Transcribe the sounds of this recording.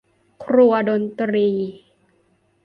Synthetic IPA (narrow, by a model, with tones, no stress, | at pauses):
kʰɾu˧ɐdo˧nt̪ɾiː˧